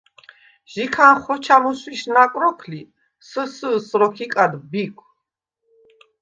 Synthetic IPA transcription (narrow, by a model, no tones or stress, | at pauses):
ʒ̥ikʰanχɔt͡ʃʰamuswiʃnakʼɾɔkʰli | səsəsɾɔkʰikʼad̪bikʷʰ